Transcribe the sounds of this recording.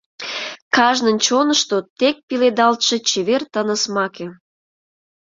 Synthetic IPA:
kɑʒnənt͡ɕonəʃt̪ot̪ek̚piled̪ɑlt̪ʃĕt͡ɕeβert̪ənə̆smɑkĕ

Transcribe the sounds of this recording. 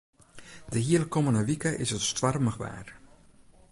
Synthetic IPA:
dəɦiəlkːomənəʋikəʔɪ̰sətstʋarməʋa̰ːr

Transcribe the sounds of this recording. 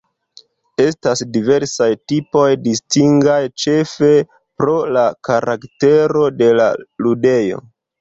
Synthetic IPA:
e̞stasdive̞ɾsajtipo̞jdistiŋɡajt͡ʃe̞fe̞ | pɾo̞lakaɾakte̞ɾo̞de̞la̰lude̞jo̞̰

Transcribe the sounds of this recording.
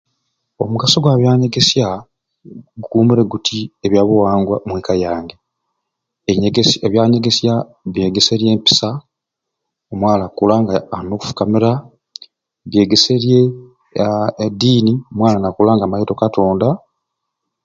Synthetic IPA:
o̞muɡasoɡwaːβjaːɲe̞ɡe̞sja | ɡukuːmiɾe̞ɡutʰieβjaːβuwaːŋɡwa̰mweːkajaːŋɡe | eɡseβjaːɲe̞ɡe̞sja | βje̞ːɡe̞seɾje̞ːmpi̥sa | omwaːlakulaŋɡaanoku̥fu̥kamiɾa | βje̞ːɡeseɾje | diːniomwaːlanakulaːŋɡaːmajito̞kato̞ːnda

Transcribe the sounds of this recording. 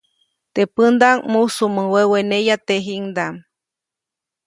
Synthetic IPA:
t̪epɨnd̪aŋmusuməwewenejat̪eɦiŋd̪am

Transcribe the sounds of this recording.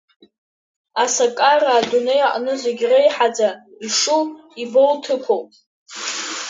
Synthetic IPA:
asakʼaraːdunejaʔʼnɨzaɡʲrejħad͡za | iʂuiboltʰɨpʰowpʼ

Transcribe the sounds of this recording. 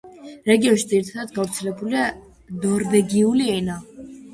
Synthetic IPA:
ɾɛɡiɔnʃid̪ziɾit̪ʰad̪ad̪ɡavɾt̪sʰɛlɛbulia | nɔɾvɛɡiuliɛna

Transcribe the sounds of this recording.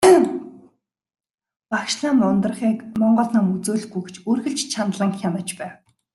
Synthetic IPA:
pakʃɮaːmmɔnt̪ərχiːkmɔɴɢɞ̆ːɮnămut͡soːɮɡujɡe̥t͡ɕʰorɣɘ̆ɮt͡ɕt͡ɕʰant̪ɮə̆ŋxʲanə̆t͡ɕpæːw

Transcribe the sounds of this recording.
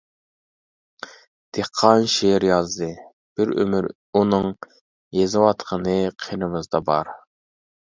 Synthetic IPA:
d̪̥eqʰːɑnʃeɾjɑzd̪ɨ | b̥ɪɾø̰myɾ | unɨŋ | jezɨwɑt̪qʰənɨqʰenɨmɨzd̪ɑbɑɾ

